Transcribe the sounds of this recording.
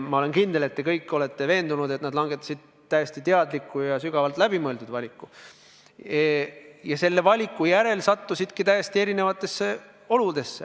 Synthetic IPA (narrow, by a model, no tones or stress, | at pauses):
mɑo̞le̞nkind̪̥e̞le̞t̪ːe̞kɤjkˑːo̞le̞t̪ːe̞ve̞ːnd̪unud̪e̞t̪nɑd̪lɑŋɡ̥e̞t̪ˑːɑ̥sid̪̥̚ | t̪ːæjest̪it̪e̞ɑd̪likːˑujɑsyɡ̥ɑvɑlt̪ˑlæb̥imɤeld̪ud̪vɑlʲikːu | jɑse̞lːe̞vɑlʲikːˑujæɾe̞lsɑt̪ːusid̪̥kit̪æjest̪ie̞ɾine̞vɑt̪ːˑe̞sːe | o̞lud̪̥e̞sːe